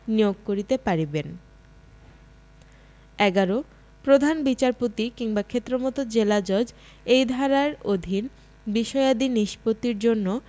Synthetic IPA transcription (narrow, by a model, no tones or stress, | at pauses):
nijoɡ̚koɾit̪epaɾiben | ɛɡaɾo | pɾod̪ʱanbit͡ɕaɾpot̪ikiŋbakʰet̪ːɾomɔt̪od͡ʑelad͡ʑɔd͡ʑ | ejd̪ʱaɾaɾod̪ʱin | biʃɔead̪iniʃpot̪ːiɾd͡ʑonːo